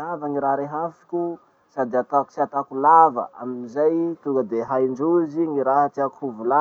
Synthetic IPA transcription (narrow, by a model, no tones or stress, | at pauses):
avaŋiɾaɾeɦafi̥kʲu | sad̪eat̪aksiat̪akulavə̰ʔa̰miizajt̪uŋɡəd̪eɦajɳɖ͡ʐuziŋiɾaɦat̪iakhuvula